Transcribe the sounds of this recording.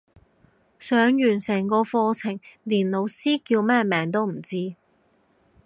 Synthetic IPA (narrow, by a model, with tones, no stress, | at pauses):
sœː˨˧˥ŋjyː˨˩nsɛː˨˩ŋkɔː˧fɔː˧t͡sʰɪ˨˩ŋliː˨˩nlo˨˧wsiː˥kiː˧wmɛː˥mɛː˨˥ŋt̪o˥wm̩˨˩t͡siː˥